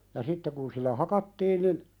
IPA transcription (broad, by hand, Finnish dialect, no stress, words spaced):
jɑ sitːe kun silːæ hɑkɑtːiːn nin